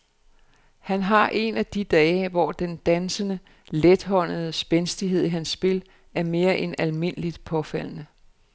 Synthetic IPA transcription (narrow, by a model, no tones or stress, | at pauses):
hænɦɑ̈ʔe̝̰næd̥id̥ɛːʋɒd̥end̥ænsənə | led̥ɦɒ̽n̰əð̩ˠəsb̥ensd̥iɦe̝ð̞̰ˠiɦænsːb̥e̝l | æɐme̝ːɐʔenælme̝n̰əlid̥pʰɒ̽fæl̰nə